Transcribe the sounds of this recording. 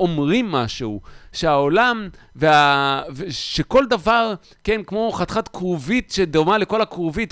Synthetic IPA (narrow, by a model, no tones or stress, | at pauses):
o̞mʁimːaʃuuʃeaolamveaveʃeko̞ld̪avaʁ | kenkmo̞χat̪χat̪kʁuvit̪ʃed̪oʁmale̞ko̞lakʁovit̪